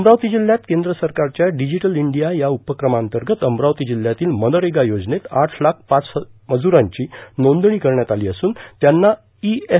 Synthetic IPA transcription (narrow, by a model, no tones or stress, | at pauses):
əmɾawt̪iːd͡ʑil̤jat̪kend̪ɾəsəɾkaɾt͡ɕjaɖid͡ʑiʈəliɳɖijajaupəkɾəmaənt̪əɾɡət̪əmɾaʋt̪id͡ʑil̤ːjat̪iːlməd̪əɾeɡajod͡znet̪aʈʰlak̚ʰpat͡sməd͡zuɾaɲt͡ɕiːnond̪ɳikəɾɳjat̪aliːəsuːnt̪janːa | ie